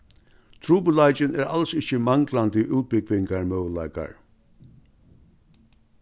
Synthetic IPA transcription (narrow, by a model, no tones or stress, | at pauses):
t̪ʰɾuːpəlaɪt͡ʃɪnæːɹalsɪçəmaŋklant̪əʔuːt̪̚bɪkʋɪŋkaɹmœːwla̰ɪjka̰ɹ